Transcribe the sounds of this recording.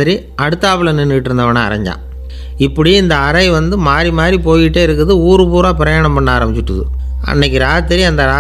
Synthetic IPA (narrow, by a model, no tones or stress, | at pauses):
ɪɾi | ɐɽɯt̪ːaːpɐɭɐnɪnːiʈːɪɾɯnd̪ɐʋɐnaːɐ̰ɾɐ̰ɲd͡ʒa̰ː | ɪpːɐɽiɪnd̪ɐɐɾɐɪʋɐnd̪ɯmaːɾimaːɾipoːjɪʈːeːɪɾɯkːɯðɯuːɾɯpuːɾaːpɪɾɐjaːɳɐmpɐɳːaːɾɐmbɪt͡ʃːɪʈːɯðɯ̰ɐ̰nːɐk̬ʲːɯɾaːt̪ːɪɾiɐnd̪ɐɾaː